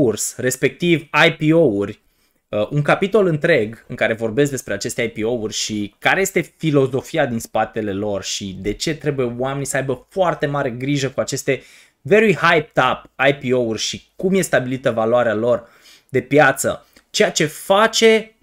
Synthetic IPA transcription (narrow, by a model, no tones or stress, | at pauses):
ursre̞spe̞k̚t̪ivajpio̞urʲ | ʔuŋkapit̪o̞lɨnt̪ɾe̞ɡɨŋkaɾe̞vo̞rbe̞s̬k̚d̪espɾeat͡ʃe̞st̪eajpio̞urʲʃikaɾe̞jest̪e̞filo̞zo̞fiad̪inspat̪e̞le̞lo̞rʃid̪e̞t͡ʃe̞t̪ɾe̞buje̞oame̞nisəajbəfoart̪e̞maɾe̞ɡɾiʒəkuat͡ʃe̞st̪e̞ | ve̞ɾuijhajp̚t̪apajpio̞urʲʃikumje̞st̪abilit̪əvaloaɾealo̞r | d̪e̞pjat̪sə̰ | t͡ʃe̞jat͡ʃe̞fat͡ʃe̞